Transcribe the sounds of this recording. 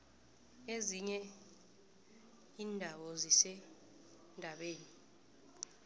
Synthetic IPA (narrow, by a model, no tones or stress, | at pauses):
eziɲɛ | iːndʱawɔzisɛ | ndʱaɓeːni